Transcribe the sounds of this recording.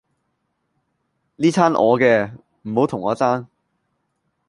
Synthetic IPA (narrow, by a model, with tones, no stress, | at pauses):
liː˥t͡sʰaː˥nʔɔ̰ː˨˧kɛː˧ | m̩˨˩ho˨˥wt̪ʰʊ˨˩ŋɔː˨˧t͡saː˥n